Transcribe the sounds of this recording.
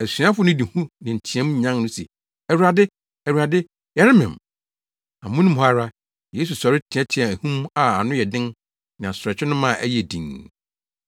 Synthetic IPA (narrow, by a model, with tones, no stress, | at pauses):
æ˨sɥã˦fʊ˦nʊ̃˦di˨hũ˦nɪ̃˨ɲ̩˨tʰĩ˨ɛ̃˦m˦ɲã˦ŋnʊ̃˦sɛ̰˨ | ɛ˨wu˨ɾa˨dɪ˦ | ɛ˨wu˨ɾa˨dɪ˦ | jɛ˨˦ɾɪ˦mɪ̰̃˨m | ã˨mʊ̃˦nũ˦mha˦ɾa˦ | je˦s̬u˨sɔ˨ɾɪ˦tʰɪ̃˨ɛ̃˦tʰɪ̃˨ã˨æ˨hũ˦ma˨a˨nʊ̃˦jɛ˨dɪ̃˦n | nã˨a˨sɾɛ˨t͡ɕᶣɪ˦nʊ̃˦mã˦˨ʔæ̰˦jɛ˨dḭ̃˨ŋ